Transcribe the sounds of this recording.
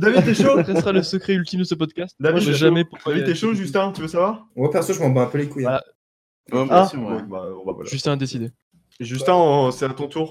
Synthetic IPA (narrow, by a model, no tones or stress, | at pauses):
d̪avit̪ɛʃok̪ɛsəʁaləsəkχɛylt̪imd̪əsəpɔd̪kʲast̪d̪aviɛʒamɛpukviɛʃoʒyst̪ɛ̃t̪yvəsavwaʁwɛpɛʁsɔʒəmɑ̃bɔ̃ɛ̃pølekuja | aɛbã̰ba̰va̰a̰ʒyst̪ɛ̃ad̪esid̪e | ʒyst̪ɛ̃sɛat̪ɔ̃t̪uʁ